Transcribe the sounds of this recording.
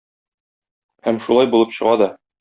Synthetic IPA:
hæmʃulˠɑjbulˠɤpɕɤ̆ʁɑd̪ɒ

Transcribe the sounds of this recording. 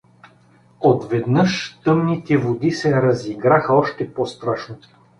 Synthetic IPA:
ot̪vɛd̪nɤʃt̪ɤmnit̪ɛvod̪isɛɾɐziɡɾaxɐɔʃt̪ɛpost̪ɾaʃno

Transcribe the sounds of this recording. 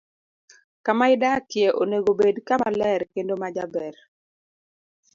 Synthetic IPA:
kamaɪdakɪeʔoneɡobedkamalɛɾkendomad͡ʒabɛɾ

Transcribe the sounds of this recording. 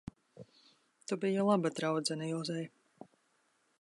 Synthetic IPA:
t̪ubijalˠabad̪ɾawd̪zɛnajɔːzɛj

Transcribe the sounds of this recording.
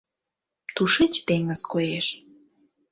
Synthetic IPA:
t̪uʃet͡ɕt̪eŋəzkojeʃ

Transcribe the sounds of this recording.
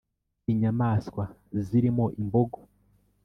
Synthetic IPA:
iɲamaːskwaziɾimo̞ʔimboɡo

